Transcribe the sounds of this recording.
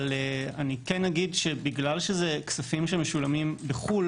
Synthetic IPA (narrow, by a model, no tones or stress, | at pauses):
leanikenːaɡidʃebiɡlalʃezeksafimʃemeʃulamimbeχul